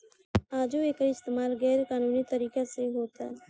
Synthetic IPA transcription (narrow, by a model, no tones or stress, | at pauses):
aːd͡ʒueːkɪst̪eːmaːlɡɛːɾkaːnuːnit̪əɾiːkaseɦoːt̪aɦɛ